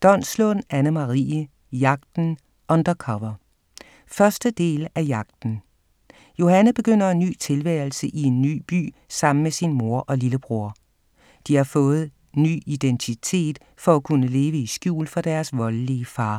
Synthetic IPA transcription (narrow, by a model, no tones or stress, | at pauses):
d̥ɒ̽nslɔ̰n̩ænəmɑʁḭːə | jɑ̈ɡ̥̚d̥n̩ | ʔɒ̽nd̥ɐkʰɒʋɐ | fɶɐsd̥əd̥e̝̰ːlæjɑ̈ɡ̥d̥n̩ | jo̝hænəðˠb̥e̝ɡ̥øn̰ɐe̝nːy̰ːt͡sʰe̝lʋæːɐl̩səʔie̝nːy̰ːb̥y̰ː | sɑ̈m̰n̩mesinmo̝ɐʔɒ̽liləb̥ʁuɐ̰ | d̥ihɑ̈fɔ̽ːð̞̩ˠ | ny̰ːid̥ent͡sʰit͡sʰe̝̰ːd̥ | fɒ̽ækʰunəle̝ːʋəisɡ̥jṵːlfɒd̥æɐsʋɒ̽lliəfɑ̈ː